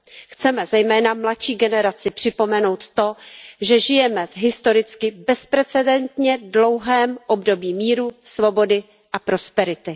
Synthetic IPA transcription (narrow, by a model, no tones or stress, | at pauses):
xt͡sɛmɛzɛjmɛːnamlatʃiːɡɛnɛɾat͡sɪpr̝̥ɪpo̞mɛno̞wt̪t̪o̞ʒɛʒɪjɛmɛvɦɪst̪o̞ɾɪt͡skɪbɛspɾɛt͡sɛdɛnt̪ɲɛdlo̞wɦɛːmʔo̞bdo̞biːmiːɾusvo̞bo̞dɪ | ʔapɾo̞spɛɾɪt̪ɪ